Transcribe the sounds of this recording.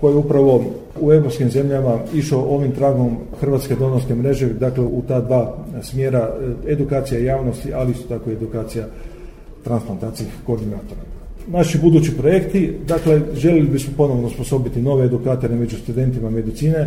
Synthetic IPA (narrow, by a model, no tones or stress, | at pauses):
ko̞jeupɾaʋo̞ | ue̞vɾo̞pskimze̞mʎamaiʃaoʔo̞ːʋimt̪ɾaɡo̞mxr̩ʋat̪sked̪o̞noskemɾe̞ʒed̪akleut̪aːd̪ʋaːsmje̞ːɾae̞d̪ukaːt̪sijaijaːʋno̞st̪iʔaliist̪ot̪akoied̪ukaːt̪sija | t̪ɾansplant̪aːt̪siixko̞ɾd̪inaːt̪o̞ɾanaʃibud̪uːt͡ɕipɾo̞je̞kt̪id̪akle̞ʒe̞lelibismopo̞no̞ʋnouspo̞so̞bit̪ino̞ʋeːd̪ukaːt̪o̞ɾemed͡ʑust̪ud̪e̞nt̪imame̞d̪it̪siːne̞